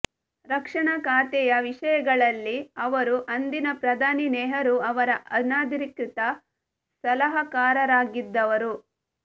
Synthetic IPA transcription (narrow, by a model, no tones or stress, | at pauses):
ɾɐkʂɐɳɐkaːt̪ɛjɐʋiʂɐjɐɡɐɭɐlːiɐʋɐɾuʔɐnd̪inɐpɾɐd̪ʱaːninɛːɦɐɾuɐʋɐɾɐʔɐnaːd̪iɾikit̪ɐ | sɐlɐɦɐkaːɾɐɾaːɡid̪ːɐʋɐɾu